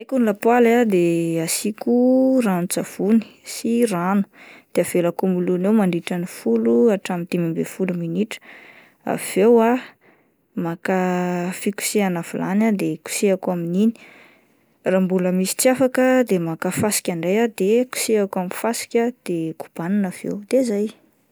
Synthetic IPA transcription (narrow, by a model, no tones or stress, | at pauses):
akunilapwalad̪easikuranut͡sav̥uni̥siranu̥d̪̥eav̥elakumulunewmaɳɖ͡ʐiʈ͡ʂanifuluaʈ͡ʂamint̪imimbefuluminiʈ͡ʂə̥ | a̰v̥ewa | makafiku̥seanavulanad̪eku̥seakaminini̥ | rambuləmisi̥t͡siafakəd̪emakafasi̥kʲaɳɖ͡ʐejad̪eku̥seakamifasi̥kʲəd̪̥eku̥b̥aninavḛwd̪ezaj